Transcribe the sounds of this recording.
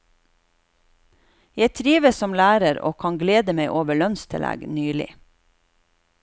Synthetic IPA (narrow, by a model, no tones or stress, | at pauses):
jæɪt̪ʰɾiːʋəssɔmlæːɾəɾo̰ːkʰɑŋɡleːd̪əmeɪʔoːʋəɭœnst̪ʰəlæ̰ɡnyːlɪ̰